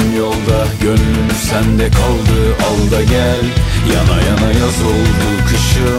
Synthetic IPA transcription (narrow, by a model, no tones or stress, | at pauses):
mjolˠd̪a | jønlymysænd̪ɛkʰalˠd̪ɯalˠd̪aɟælʲjanajanajazɯlˠbuk̪ʰɯʃɯ